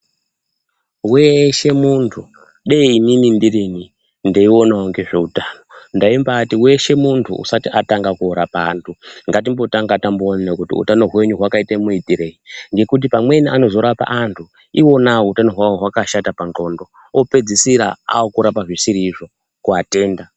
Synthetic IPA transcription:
weʃe̞muntʰu | ɗeiininindirini | ndeio̞naoŋɡe̞ʐeutaːno̞ndaimbatiwe̞ʃe̞muntʰṵṵsatiʔataŋɡakuoɾapa̰ːntʰuŋɡat̬imbo̞taŋɡatamboːnnekutḭṵtano̞ɦwe̞ɲuɦwakaitamuitiɾe̞iŋɡe̞kut̬ipamwe̞niʔano̞zo̞ɾapa̰ʔantʰu | iwo̞nautano̞ɦwawoɦwakaʃatapanɡo̞ndo | ope̞d͡zisiɾa̰a̰okuɾapaʐisiɾiːʐo̞ | kuate̞ːnda

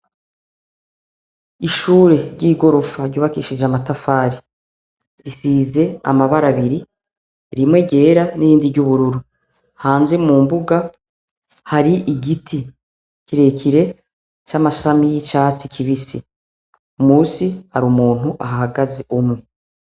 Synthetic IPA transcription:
iʃuːɾe̞ɾɟiːɡo̞ɾo̞faɾɟuːβakiʃid͡ʒamatafaːɾi | ɾisiːze̞a̰maβaɾaβiɾi | ɾimwe̞ɟe̞ːɾanijiːndivɟuβuɾuɾu | haːnze̞muːmbuɡa | haɾiʔiɡitʰi | kiɾe̞kʰiɾe̞ | t͡ʃamaʃamijit͡ʃaːt͡sikʰiβisi | umuːsiaɾumuːn̥uʔaɦahaɡaze̞ʔumŋe̞

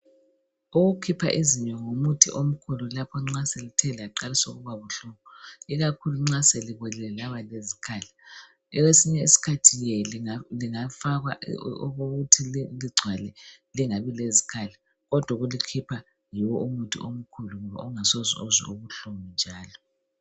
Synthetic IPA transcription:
uɣukʰipʰa̰ʔiziɲɔŋomutʰiʔom̩kʰululapʰɔŋ͡ǁaselitʰɛlɛaǃalisoɣuβaβuɬuβɔiɣakʰuluŋ͡ǁaseliɣwɛlɛɛlaβalezikʰaːla | ɛwesiɲɛisi̥kʰatʰijɛliŋafaɣwaɣoɣutʰiliɡ͡ǀʱwalɛ | liŋaβilezi̥kʰala | ɣɔd̥ʱwaɣulikʰipʰa | jiwɔʔumutʰḭom̩kʰuluŋɔβa̰uŋasozḭozḭuɣuɬumind͡ʒʱaːlɔ

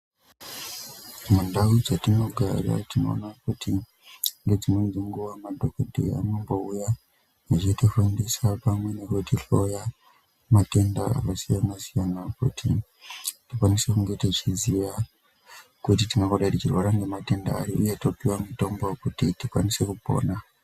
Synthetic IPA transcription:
mundaud͡zatino̞ɡʱa̰ra̰tino̞̰ːnakutʰi | ŋɡe̞d͡zinwend͡ziŋɡuʋamadʱokodʱḭa̰no̞mbo̞uja | at͡ʃitifundisapamwe̞ne̞kwetiɬo̞ja | mate̞ndaa̰kasijanasijanakṵtʰḭ | tikwanisekuŋɡe̞tit͡ʃiziʋa | kutitinokoɗaitit͡ʃirwaɾaŋɡe̞mate̞ndaːɾiʔuje̞to̞piwamito̞mbokutitikwanise̞kupo̞̰ːna

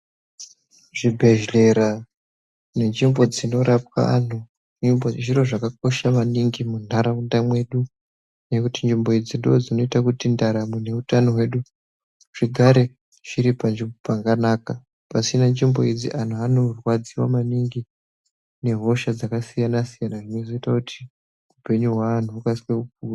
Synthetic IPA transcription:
ʐ̥ibʱe̞ʒle̞ɾa | ne̞nd͡ʒimbo̞d͡zino̞ɾap̚ka̰a̰n̤u | iʐiɾo̞ʐakak̚o̞ʃamaniŋɡimun̤aɾaundamwe̞ɗu | ne̞kutind͡ʒimbo̞id͡zindood͡zino̞itakutindaɾamune̞utanoɦwe̞ɗu | ʐ̥iɡʱaɾe̞ | ʐ̥iɾipanʐimbopaɡanaːka | pasinand͡ʒimbo̞id͡zḭʔan̤uanorwad͡ziwamaniŋɡi | ne̞ɦo̞ʃad͡zakasijanasijanaʐino̞zo̞itakutʰi̥ | upe̞ɲuɦwaːn̤uukasikekup̚ua

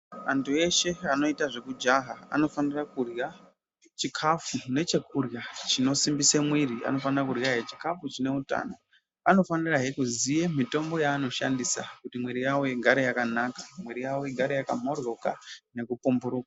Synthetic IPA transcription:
a̰ntue̞ʃe̞ano̞itaʐe̞kud͡ʒaɦaa̰no̞fanirakurja | t͡ʃikʰafune̞t͡ʃe̞kurjat͡ʃino̞simbisemwiria̰no̞fanirakurjaɦeet͡ʃi̥kafut͡ʃine̞uta̰ːno | ano̞faniraɦekuzijemito̞mbo̞jaːno̞ʃandisa̰kutimweɾijawojeɡʱaɾejakanakḁmwe̞ɾijawoeɡʱaɾejakam̤oro̞ka̰ne̞kupumbuɾuːkḁ

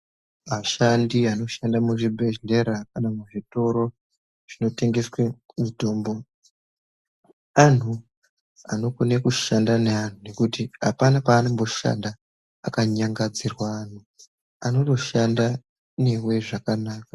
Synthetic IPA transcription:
maʃandiano̞ʃandamuʐibʱe̞ʒle̞ɾakanamuʐito̞ɾo̞ | ʐ̥ino̞te̞ŋɡe̞swe | mito̞ːmbo | an̤u | a̰no̞kune̞kuʃandanean̤une̞kutiapanapaːnombo̞ʃa̰ndaː | kaɲaŋɡad͡zirwaːn̤u | ano̞to̞ʃanda | ne̞we̞ʐakanaːkḁ

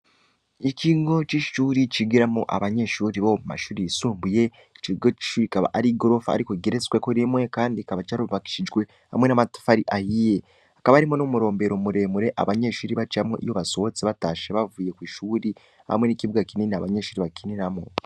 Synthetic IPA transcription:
iciːɡɡo̞t͡ʃiʃuːɾit͡ʃiɡiɾamoʔa̰βaɲe̞ʃuːɾiβomuma̰ʃuːɾiisuːmbuje̞ | t͡ʃiɡot͡ʃi̥ʃuːɾikaβa̰ʔaɾiɡo̞ɾo̞fa̰ːɾikoɡeɾet͡swekoɾimwe̞kaːndikaβat͡ʃaɾuβaki̥ʃid͡ʒɡwe̞ | ha̰mwe̞namatḁfaɾiʔahije | akaβaaɾimonomuɾo̞ːmbe̞ɾo̞muɾe̞muɾe̞ʔa̰βaɲe̞ʃuːɾiβat͡ʃiamweʔḭjo̞βaso̞ot͡seβataːʃeβavuːje̞kwiːʃuːɾi | ha̰mwe̞niciβuɡakininiaβaɲe̞ʃuːɾiβakininamo

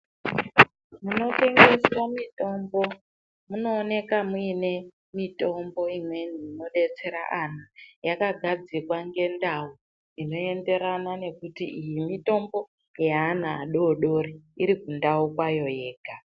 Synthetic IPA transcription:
muno̞te̞ŋɡeswamito̞mbo | muno̞ːne̞kamuine̞ | mito̞mbo̞imwe̞niːno̞ɗe̞t͡se̞ɾa̰ʔanajakaɡʱad͡zikwaŋɡe̞ndau | ino̞e̞nde̞ɾanane̞kutḭʔijimito̞mbo̞ | jaːnaːɗo̞ɗo̞ɾiiɾikundaukwajo̞je̞ːɡʱa

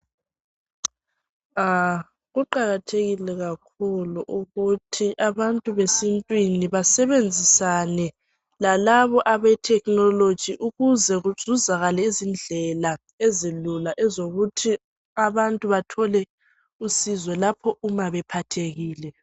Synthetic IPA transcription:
a | ɣuǃaɣatʰeɣilɛɣakʰuluʔuɣutʰiʔaβantʼuβesintʼwiniβasɛβend͡zʱisanɛ | lalaβɔʔaβɛtʰɛknɔlod̥d͡ʒ̥ʱiʔuɣuzɛɣuz̥uzaɣalɛizind͡ɮʱɛla | ezilulaʔɛzoɣutʰi | aβantʼuβatʰɔlɛ | usizwɛlapʰɔʔumaβɛpʰatʰeɣiːlɛ

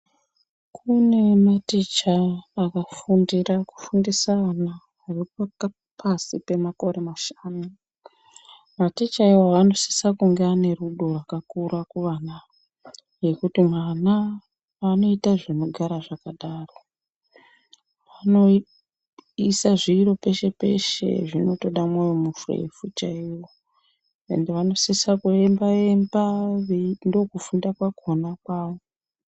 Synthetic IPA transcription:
kʰune̞matit͡ʃaːkafundiraku̥fundisaana | aʋeaka | pʰasipe̞mako̞ɾe̞maʃḁːnu | matit͡ʃaiwaʋano̞si̥sakuŋɡeane̞ruɗorwakakuɾakuʋana | je̞kutimwana | ano̞itaʐino̞ɡʱaɾaʐakaɗaːro | ʋano̞ | isaʐiːɾo̞pe̞ʃe̞pe̞̰ʃḛʐino̞to̞ɗamwajomufurḛfut͡ʃaiwo̞ | e̞̰ndeʋano̞sisakuembae̞mbaʋendo̞kufundakwakonakwaːʋo

